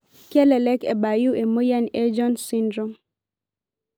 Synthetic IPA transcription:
kɛ˦lɛ˨lɛ˦kɛ˨ba˨ju˦ʔe˨mo˦ja˦ne˦d͡ʒɔ˦nsi˦ndɾɔ˦m

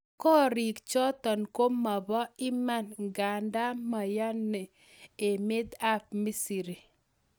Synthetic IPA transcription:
kɔ˦ɾi˨kt͡ʃɔ˦t̪ɔ˨nko˦mːa˨bɔ˦ɪ˦ma˦nɡa˨nda˦ma˨ja˦nːɛ˨ | e˨me˦d̪a˦p̚mi˦si˨ɾi˨

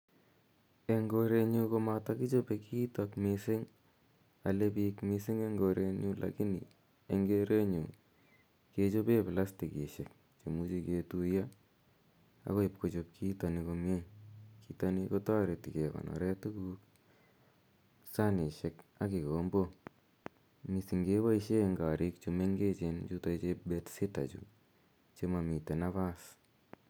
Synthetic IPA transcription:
e˨ŋɡo˧ɾe˧ɲu˦ko˦mata˦ki˦t͡ʃo˦pe˧ki˦takmisɪ˦ŋ | a˨le˦pikmi˧sɪ˦ŋe˦ŋɡo˨ɾe˧ɲu˦lʔa̰ki˦nḭ˨ | e˨ŋɡe˦ɾe˦ɲu˨ | ke˧t͡ʃo˦pe˦pɪ˨la˦sti˨ki˨ʃe˨k̚ | t͡ʃe˨mu˦t͡ʃi˧ke˧tuja˦ | a̰˨ko˦i˨p̚ko˨t͡ʃop̚kʰi˦ta˨niko˧mje˦ki˨taniko˦ta˦ɾe˨ti˨ke˨kɔ̰˨nɔ̰˨ɾɛ˦tu˦kuk | sa˦ne˨ʃe˨ka˦ki˨ko˨mbo˦ | mi˨si˨ŋɡe˦βa˦iʃe˦ŋɡa˨ɾi˦k̚t͡ʃume˦ŋɡe˦t͡ʃent͡ʃu˦to˦t͡ʃe˦betsɪ˦ta̰˨t͡ʃṵ | t͡ʃe˦ma˨mi˨te˨na˦βa˦s

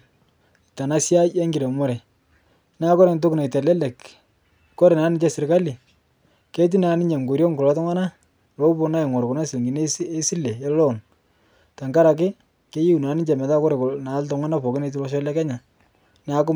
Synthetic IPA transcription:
ɪ˨ta˨na˦sja˦jɛ˦ŋɡɪ˨ɾe˨mo˦ɾɛ˨ | na˦kɔ˦ɾe˨nt̬ʊ˦kna˨i˨tɛ˨lɛ˦lɛ˨k | kɔ˦ɾe˨naː˨˦nɪ˦t͡ʃɛ˦sɪ˨ɾka˦li˨ | ke˦t̬i˦na˨˦nɪ˦ɲe˨ŋɡo˨ɾjɔ˦ŋkʊ˨la˨˦tʊ˦ŋwa˦na˦ | lo˦pʊ˦na˦ɛ˨ŋɔ˨ɾkʊ˨na˦sɪ˨lŋɡi˨nse˦si˦le˨ɛ˦lɔ˦˨n | ta˨ŋka˦ɾa˨k̬ɪ˦ | ke˦ji˦u˨na˨˦nɪ˦t͡ʃɛ˨mɛ˨ta˦kɔ˦ɾe˨kna˨˦lta˦ŋa˦na˦pɔ˨kɪ˦ne˨t̬u˦lɔ˦ʃ̬ɔ˦lɛ˦kɛ˦ɲa˨ | na˨˦k̬ʊ˦

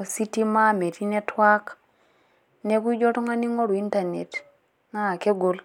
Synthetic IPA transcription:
si˦ti˦ma˦me˨ti˦nɛ˦twa˦k | nɛ˦k̬u˦d͡ʒɔ˦tɔ˦ŋa˦ni˦ŋɔ˦ɾu˨i˦nta˨ne˨t | ŋa˦˨kɛ˦ɡo˨l

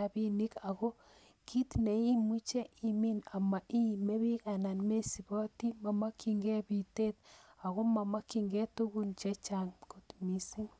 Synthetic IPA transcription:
a˨βi˦ni˦ka˨ɣo˦ | kʰi˦tne˨i˦mu˦t͡ʃe˦i˦mi˦na˨ma˨ʔi˦me˦βi˦ɣa˨na˨nme˦si˨βo˦ti˦ma˨ma˦kʰi˨ŋɡe˦βi˨te˦ta˨ɣo˦ma˨ma˦ki˨ŋɡe˦tu˦ɣu˦nt͡ʃe˦t͡ʃa˦ŋko˨tmi˨si˦ŋ

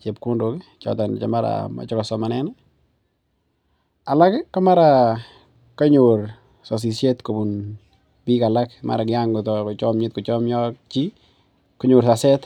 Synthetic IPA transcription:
t͡ʃe˨p̚kʊ˦ndo˦kt͡ʃɔ̰˨tɔ˨n˨t͡ʃa˨ma˦ɾa̰ma̰˨t͡ʃɔ˦kɔ˨sɔ˨ma˨nɛ˦nɛ | a˨la˦kkːa˦ma˦ɾa˨ | ka˦ɲuɾ | sɔ˨s̬i˨sje˦tko˨bu˨n | bi˦ka˨la˦kma̰˨ɾa˨kɪ˨ja˦ŋɡʊ˨tɔ˨kʊ˨t͡ʃɔ˦mɲɪ˦t̚kʊ˨t͡ʃɔ˦mɲɔ˦k̚t͡ʃi˦ | kɔ˦ɲʊ˨ɾsa˨sɛ˦t

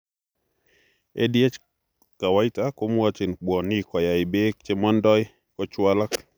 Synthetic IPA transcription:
ḛ˦dje˦t͡ʃ | ka˨wa˦ɪ˦ta˦ko˦m˦a˦t͡ʃɪ˨nk͡pwɔ˨nɪ˦kɔ˨ja˨ɪ˨be˦k̚t͡ʃe˦ma˦ndɔ˦j | kɔ˦t͡ʃwa˦la˦k

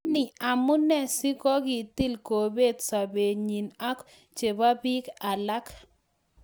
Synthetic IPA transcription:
nɪ˨a˨mʊ˦nɛ˦sɪ˦kɔ˦ɡɪ˨t̪i˦lko˨be˦˨d̪sa˨be˨ɲi˨na˦k | t͡ʃe˨ba˦bi˦ka˨la˦k

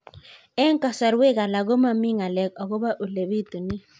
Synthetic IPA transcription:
ɛ˦ŋ˦ka˨sɔ˨ɾwe˦˨ka˨la˨ɣo˦ma˦˨mɪ˦ŋa˨lɛ˨k̚ɔ˨ɣo˦ba˦ʔo˨le˨βi˦t̪u˨nɪ˦

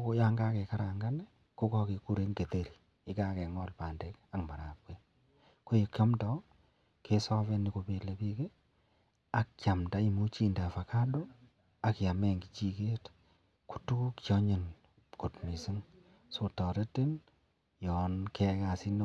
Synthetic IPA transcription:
o˦ja˦ŋɡa˦kɛ˨ka˦ɾa˨ŋɡa˦nɛ˦ | ko˦kɔ˦ke˨ku˦ɾe˦ŋɡe˨te˨ɾi̥˨ | ɪ˦ka˦kɛ˨ŋɔ˦lpaː˨nde˦ka˨kma˨ɾa˨p̚ke˦ | ko˦je˨kja˦mtɔ˦ | ke˦sɔ˦βe˦ni˨ko˨pe˨le˨pi˦ke˦ | a˨kt͡ʃja˨mda˨˦i˦mu˦t͡ʃi˦nda˨fa˨ka˦do˦ | a˨kja˨mɛ˦ŋɡi˨t͡ʃi˨keː˦t | ku̥˨tu˦ku˦kt͡ʃɔ˦ɲe˨n | ko˨tmi˨si˦ŋ | so˨tɔ˨ɾe˦te˦n | jɔ˨nke˦ka˨si˦n

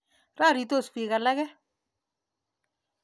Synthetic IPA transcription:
ra˦˨ɾi˨to˦˨spi˨ka˨la˦kɛ˦

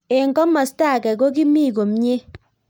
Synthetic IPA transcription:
e˨ŋɡɔ˦mɔ˨sta˦˨kɛ˨ko˦ki˦mi˦˨ko˨mɲe˦

